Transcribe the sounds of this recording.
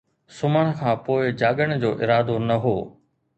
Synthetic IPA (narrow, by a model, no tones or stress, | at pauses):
sʊməɽ̃kʰãːpoːɪd͡ʑaːɠəɽ̃d͡ʑoːʔɪɾaːd̪onɐɦoː